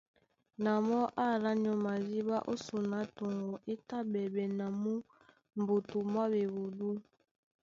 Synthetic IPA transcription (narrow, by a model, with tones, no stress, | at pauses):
na˨mɔ˦ʔa˦ɾa˦n˨ɔ˨ma˨zi˦ba˦ʔo˦su˨na˨˦to˨ŋɡo˨ʔe˦ta˦bɛ˨bɛ˨na˨mu˦ | m˨bo˨tu˨ma˦be˨bu˨du˦